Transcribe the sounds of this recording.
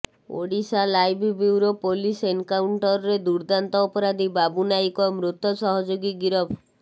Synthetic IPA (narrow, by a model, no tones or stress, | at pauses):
o̰ɽisalajbibiwɾɔpolisenkawɳʈɔɾɔɾed̪uɾd̪ant̪ɔːpɔɾad̪ibabunajkɔmɾut̪ːɔsɔɦɔd͡ʒoɡiɡiɾɔbʰ